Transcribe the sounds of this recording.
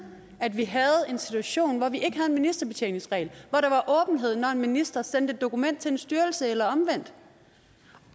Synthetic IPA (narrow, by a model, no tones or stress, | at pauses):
æd̥ʋiɦæð̞̩ˠe̝nsit͡sʰuæɕo̝̰ːnʋɒʋiʔe̝ɡ̥ɦæðˠenminisd̥ɐb̥e̝t͡sʰḛɪne̝ŋsʁɛ̰ɪlʋɒɾ̥ɑ̈ʋɑ̈ʔɔ̽ːb̥n̩ɦe̝ð̞̰ˠnɒe̝nminisd̥ɐsen̰d̥əe̝d̥̚ːo̝kʰumen̰d̥̚t͡sʰe̝ensd̥yːɐl̩səelɐɒ̽mʋen̰d̥